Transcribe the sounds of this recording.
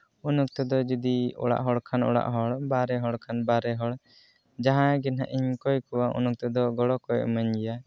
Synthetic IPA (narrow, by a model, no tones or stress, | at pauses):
unuk̚t̪ɛd̪ɔd͡ʒud̪iɔ̰ɽa̰ʔɦɔɽkʰanɔ̰ɽa̰ʔɦɔɽbaɾɛɦɔɽkʰanbaɾɛɦɔɽ | d͡ʒaɦãɡɛnɦaʔiɲkɔjkuwaʔṵnuk̚t̪ɔd̪ɔɡɔɽɔkɔjʔmaɲd͡ʒɛja